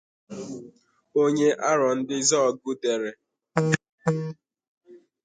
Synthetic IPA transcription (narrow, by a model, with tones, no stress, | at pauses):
o˦ɲe˦ʔa˦ɾɔ˨n̩˦dɪ˦zɔ˦˨ɡu˦de˨ɾe˨